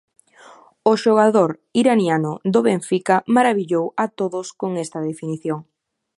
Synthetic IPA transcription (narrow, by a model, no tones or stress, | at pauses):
oʃoɣ̞aðoɾ | iɾanjanʊd̪oβeɱfikamaɾaβiʎowat̪oðʊskoŋɛst̪ɐðefiniθjoŋ